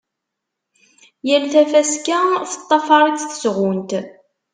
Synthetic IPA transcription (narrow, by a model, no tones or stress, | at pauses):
jælθæfæskæθə̥t̪ˤːɑfɑɾˤit͡sθə̥sʁʊnt̪